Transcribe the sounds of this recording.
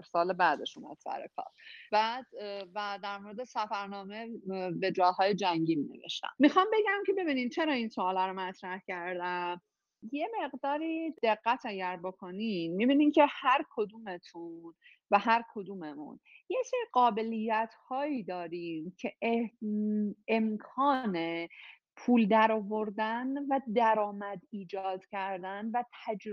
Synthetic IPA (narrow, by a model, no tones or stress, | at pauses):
ɾsɒːlebæːd̪e̞ʃumæ̰d̪̥sæ̰ɾḛkʰɒ̰ːɾb̥æːd̪væd̪æɾmo̞ɾed̪esæfæɾnɒːmebe̞d͡ʒɒːɦɒːjed͡ʒæŋɟiːline̞̰ve̞̰ʃt̪æ̰mmixɒmbe̞ɟæmce̞be̞biːnint͡ʃʰe̞ɾɒːinsoːlæɾomæt̪ʰɾæhcʰæɾd̪æ | je̞me̞ɣd̪ɒːɾiːd̪̥e̞ɢːæt̪ʰæɟæɾbo̞kʰo̞ninmibiːnimcʰe̞hæɾkʰod̪uːme̞t̪ʰun | væɦæɾkʰo̞d̪uːmemṵnjecseɾiɢɒːbe̞lijːæt̪ʰhɒːiːd̪ɒːɾiːmcʰe̞ | emkʰɒːne | pʰuːld̪æɾɒvo̞ɾd̪ænvæd̪æɾɒːmæd̪iːd͡ʒɒːd̪̥cʰæɾd̪ænvæt̪ʰæd͡ʒ